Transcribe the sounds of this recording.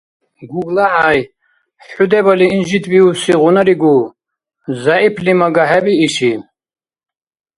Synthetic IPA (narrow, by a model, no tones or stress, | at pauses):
ɡuɡlaʕaj | ħud̪ɛbaliːnʒit̪ʰbiusiʁunaɾiɡu | zaipʰlimaɡaɦɛbiːʃi